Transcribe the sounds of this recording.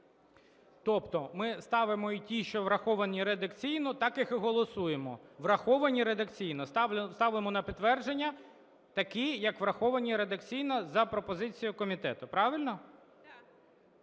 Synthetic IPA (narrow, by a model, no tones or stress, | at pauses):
t̪ɔpt̪ɔmɪst̪ɑʋɪmɔitʲiʃt͡ʃɔʋɾɐxɔʋɐnʲiɾed̪ɐkt͡sʲijnɔt̪ɑkɪxɪɦɔlˠɔsujemɔʋrɐxɔʋɐnʲiɾe̞d̪ɐkt͡sʲijnɔsst̪ɑʋlemɔnɐpʲɪt̪ːʋɛrd͡ʒe̞nʲːɐ | t̪ɐkijɐkʋɾɐxɔʋɐnʲiɾed̪ɐkt͡sʲijnɐzɐpɾɔpɔzɪt͡sʲijʊkɔmʲit̪ɛ̰t̪ʊpɾɑʋɪlʲnɔ